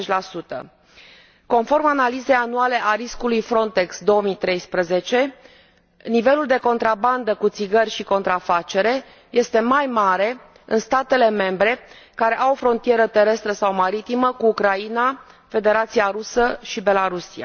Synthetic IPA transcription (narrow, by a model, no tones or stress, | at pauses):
t͡ʃlasut̪ə̰ | ko̞nfo̞rmanalize̞januale̞ʔaɾiskulujfɾo̞nt̪e̞ksd̪o̞omit̪ɾe̞jspɾəze̞t͡ʃe̞ | nive̞luld̪e̞ko̞nt̪ɾaband̪əkut̪siɡərʲʃiko̞nt̪ɾafat͡ʃe̞ɾe̞ | je̞st̪e̞majmaɾe̞ | ɨ̰nst̪at̪e̞le̞me̞mbɾe̞ | kaɾe̞ʔawofɾo̞nt̪ije̞ɾət̪e̞ɾe̞st̪ɾəsawmaɾit̪iməkuːkɾaina | fe̞d̪e̞ɾat̪siaɾusəʃibe̞laɾusia̰